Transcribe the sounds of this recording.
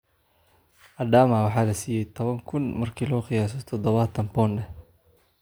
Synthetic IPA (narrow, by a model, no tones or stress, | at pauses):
ʔɐɖaːmawɑħɑːlɐsiːjɛjt̪ʰɔβɐŋkʰʊnmɐrkʰiːlɔːqɪjaːs̬ɔt̪ʰɔd̪ɔβat̪ʰɐnpɔːnɖɛ